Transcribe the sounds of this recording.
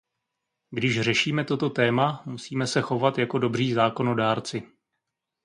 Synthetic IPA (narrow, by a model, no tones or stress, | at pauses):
ɡdɪʃr̝ɛʃiːmɛt̪o̞t̪o̞t̪ɛːmamusiːmɛsɛxo̞vat̪jako̞do̞br̝iːzaːko̞no̞daːɾt͡sɪ